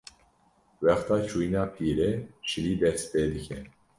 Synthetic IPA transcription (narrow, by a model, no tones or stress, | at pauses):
wɛxt̪ɑːt͡ʃʰuːjnɑːpʰiːɾeːʃɨliːd̪ɛst̪̚peːd̪ɨkʰɛ